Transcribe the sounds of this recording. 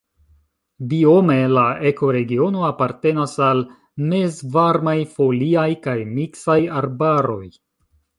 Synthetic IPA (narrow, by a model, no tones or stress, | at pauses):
bio̞me̞laeko̞ɾe̞ɡio̞no̞apaɾte̞nasal | me̞zvaɾmajfo̞liajkajmiksajaɾbaɾo̞j